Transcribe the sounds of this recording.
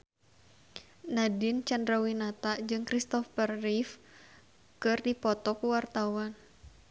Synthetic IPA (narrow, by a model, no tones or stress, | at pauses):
nadɪnt͡ʃandɾawinat̪ad͡ʒɨŋkɾist̪ɔfərːif | kɨrdipɔt̪ɔkuwart̪awan